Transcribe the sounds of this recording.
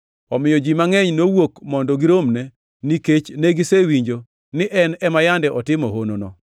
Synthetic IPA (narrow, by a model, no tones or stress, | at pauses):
ɔmɪjɔd͡ʒimaŋɛɲnowokmɔndoɡiɾomne | niket͡ʃneɡisewiɲd͡ʒo | nɪʔɛnɛmajandɛʔɔtɪmɔɦono̰nɔ̰